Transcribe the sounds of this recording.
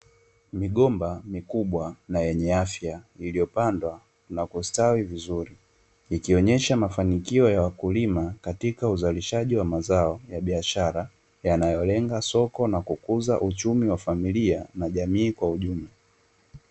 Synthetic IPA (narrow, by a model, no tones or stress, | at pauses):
miɠɔmbamikuɓwanajɛɲɛafjailijɔpandwa | nakustawivizuɾi | ikiɔɲɛʃamafanikiɔjawakulimakatikauzaliʃaʄiwamazaɔjaɓiaʃaɾa | janajɔlɛŋɡasɔkɔnakukuzaʔut͡ʃumiwafamilianaʄamiːkwauʄumla